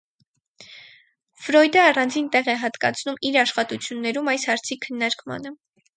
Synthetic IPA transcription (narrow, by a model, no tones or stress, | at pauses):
fɾɔjd̪əɑrɑnd͡zint̪ɛʁɛɦɑt̪kɑt͡sʰnumiɾɑʃχɑt̪ut͡sʰjunːɛɾumɑjshɑɾt͡sʰikʰənːɑɾkmɑ̰nə